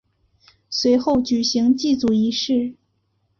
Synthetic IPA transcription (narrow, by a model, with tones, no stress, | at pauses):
swe˧˥ɪxo˥˩ʊt͡ɕy˨˩ɕi˧˥ŋt͡ɕi˥˩t͡su˨˩i˧˥ʂɻ̩˥˩